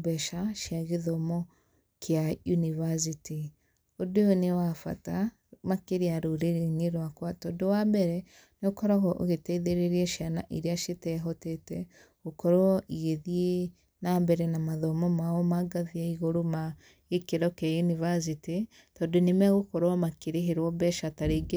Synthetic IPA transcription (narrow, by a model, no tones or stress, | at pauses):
bɛʃaʃjaɣeðɔmɔ | kjajunivas̬iti | odoonewafa̰ta | makeɾiaɾoɾeɾeɲeɾwakwatɔdowambɛɾɛ | neokɔɾɔɣɔʔo̰ɣetɛiðeɾeɾiɛʃjanaʔiɾiaʃitɛɦɔtɛtɛ | ɣokɔɾoɔʔiɣeðie | nambɛɾɛnamaðɔmɔmaɔmaɡaðiaiɣoɾoma | ekeɾɔkajunivas̬iti | tɔdonemɛɣokɔɾoɔmakeɾeɦeɾwɔbɛʃataɾeɡe